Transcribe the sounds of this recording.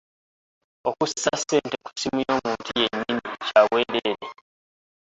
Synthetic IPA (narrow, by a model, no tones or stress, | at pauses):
okusːaseːnteku̥simujo̞ːmuːntʰije̞ɲːimicaːwweːdeɾe